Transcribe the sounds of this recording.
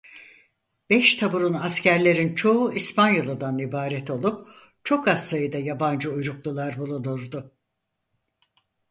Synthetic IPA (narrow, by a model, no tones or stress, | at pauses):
b̥ɛʃt̪ʰabuɾunascæɾlʲe̞ɾint͡ʃʰo̞uispʰanjolˠɯd̪anibaːɾɛt̪ʰo̞lˠup̚ | t͡ʃʰo̞kassajɯd̪ajaband͡ʒɯujɾuklˠulˠaɾbulˠunuɾd̪ʊ